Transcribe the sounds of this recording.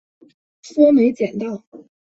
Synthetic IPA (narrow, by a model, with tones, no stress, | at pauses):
fɔ˥me˧˥ɪt͡ɕjɛ˨˩nt̪ɑ˥˩ʊ